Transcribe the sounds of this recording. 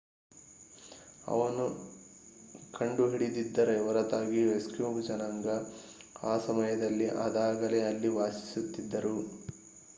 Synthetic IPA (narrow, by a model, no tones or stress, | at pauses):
ɐ̰ʋɐnu | kʰɐɳɖuɦiɽid̪id̪ːɐɾe̞ɔɾɐt̪aːɡiʋeskjuːbd͡ʒɐnɐŋɡɐaːsɐmɐjɐd̪ɐlːiʔa̰ːd̪aːɡɐleɐlːiʋaːsi̥sut̪ːid̪ːɐɾu